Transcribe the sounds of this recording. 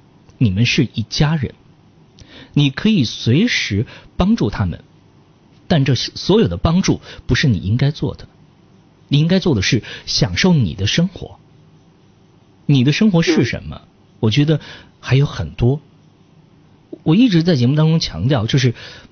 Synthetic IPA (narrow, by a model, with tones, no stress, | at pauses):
ni˨˩mə˦nʂɻ̩˥˧i˥˩t͡ɕja˥ɻə̰˧˥n | ni˨˩kʰɤ˧˥i˨˩swe˧˥ɪʂɻ̩˧˥pɑ˥ŋʈ͡ʂu˥˩t̪ʰa˥mə̰˨n | t̪a˥˧nʈ͡ʂɤ˥˩ɕswɔ˧˥jo˨˩ʊd̪ə˦pɑ˥ŋʈ͡ʂu˥˩pu˧˥ʂɻ̩˥˩nḭ˨˩i˥ŋka˥ɪt͡swɔ̰˥˩d̪̥ə˩ | ni˨˩i˥ŋka˥ɪt͡swɔ˥˩d̪ə˩ʂɻ̩˥˩ɕjɑ˨˩ŋʂo˥˩ʊnḭ˨˩d̪ə˦ʂɤ˥ŋxwɔ̰˧˥ | ni˨˩d̪ə˦ʂɤ˥ŋxwɔ˧˥ʂɻ̩˥˩ʂə̰˧˥nmə̰˧ | wɔ˨˩t͡ɕɥɛ˧˥d̪ə˧ | xa˧˥ɪjo˧˥ʊxə̰˨˩nt̪wɔ˥ | wɔ˨˩i˥˩ʈ͡ʂɻ̩˧˥t͡sa˥˩ɪt͡ɕjɛ˧˥mu˥˩t̪ɑ˥ŋʈ͡ʂʊ˥ŋt͡ɕʰjɑ̰˧˥ŋt̪jɑ˥˧ʊt͡ɕjo˥˧ʊʂ̬ɻ̩˥˩